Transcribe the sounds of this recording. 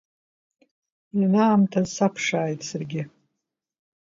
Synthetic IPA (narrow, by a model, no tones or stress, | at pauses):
inaːmtʰazsapʰʂaːjtʼsɨrɡʲɪ